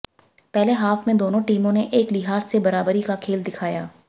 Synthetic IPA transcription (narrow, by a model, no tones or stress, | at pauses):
pɛːleɦaːfmẽd̪oːnõʈiːmõneʔeːklɪɦaːɾt̪sebɐɾaːbəɾikakʰeːld̪ɪkʰaːjaː